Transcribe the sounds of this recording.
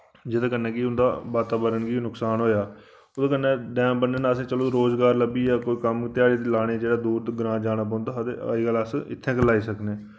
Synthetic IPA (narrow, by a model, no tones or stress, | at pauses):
d͡ʒɪd̪aːkənːɛ̃ːkiʊnd̪a̰ːʋaːt̪aːbəɾənɡiːnʊksaːnɦoːjaː | ʊd̪aːkənːɛ̃ːɖɛ̃ːmbənːeːnaəsẽːt͡ʃəloːɾoːzɡaːɾləbiːaːkoːiːkəmt̪ɪjaːɽiːt̪ilaːɽ̃eːd͡ʒeːɽaːd̪uːɾd̪ɡɾãːd͡ʒaːnaːp̬ɔ̃ːnd̪aːət̪ḛːiːɡələsɪ̰t̪ʰːɛ̃ːkəlaːiːsəkneː